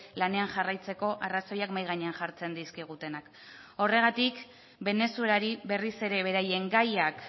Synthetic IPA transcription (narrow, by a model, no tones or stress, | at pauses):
lane̞anʝarajt͡se̞ko̞ʔaraso̞jakmajɣ̞aɲe̞anʝaɾt͡se̞nd̪iskiɣ̞ut̪e̞nak | o̞re̞ɣ̞at̪ik | be̞ne̞suelaɾiβe̞rise̞ɾe̞βe̞ɾaje̞ŋɡajak